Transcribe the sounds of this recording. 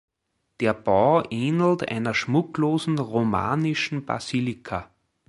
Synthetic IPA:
d̥eːɐb̥ɑʔeːnl̩tæ̰ɪnɐʃmʊkloːzn̩ʁoma̰ːnɪʃn̩b̥a̰zilɪkʰa

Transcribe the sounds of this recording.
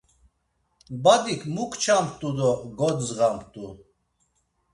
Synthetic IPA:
bad̪ikʰmukʰt͡ʃʰampʰt̪ʼud̪ɔɡɔd̪zɣampʰt̪ʼu

